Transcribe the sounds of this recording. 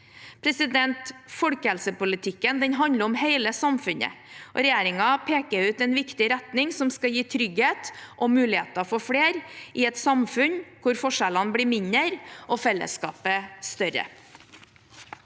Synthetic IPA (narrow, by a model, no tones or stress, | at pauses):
pʰɾɛsɪd̪ɛnt̪fɔɽkəhɛlsəpʊlɪt̪ʰɪkːənd̪ɛɲɦɑnd̪əɾɔmheɪləsɑmfʉnə̰ | ʔɔ̰ɾɛjeːɾɪŋɑpʰeːkəɾʉːt̪ɛnʋɪkt̪ɪɾɛt̪nɪŋsɔmskɑjiːt̪ʰɾʏɡheːt̪ʔɔmʉːlɪhḛːt̪ɑfɔfɽeːɾʔɪɛt̪sɑmfʉnkʰʊɾfɔʂɛlɑnbɽiːmɪɲəɾʔɔfɛlːə̰skɑ̰ːpəst̪œɾə̰